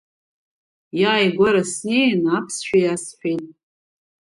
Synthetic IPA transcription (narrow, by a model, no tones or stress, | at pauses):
jaːjɡʷaɾasnejnapʰsʃᶣajasħᶣitʼ